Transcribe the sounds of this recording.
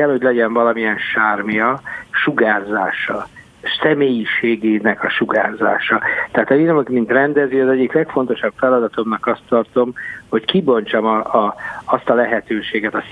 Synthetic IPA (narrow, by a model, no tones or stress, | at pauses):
ɛlho̞ɟlɛɟɛɱvɒlɒmijɛnʃaːrmijɒʃuɡaːzaːʃɒ | sɛmeːjiʃeːɡeːnɛkɒʃuɡa̰ːza̰ːʃɒt̪ɛaːt̪ɒjiɾmokmint̪rɛnd̪ɛzyɒzɛɟːiklɛkfo̞nt̪o̞ʃɒpfɛlɒd̪ɒt̪o̞mnɒkɒst̪ːɒrt̪o̞mho̞ckibo̞ɲt͡ʃɒm | ɒst̪ɒlɛɦɛt̪øːʃeːɡɛt̪ɒs